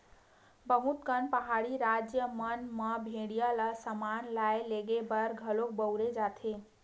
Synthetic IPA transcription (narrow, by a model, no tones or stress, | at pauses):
bəɦũt̪kənpəɦaɽiɾad͡ʒjəmənməbʱeɽijələsəmanlajleɡebəɾɡʱəlok̚bəwɾed͡ʒat̪ʰe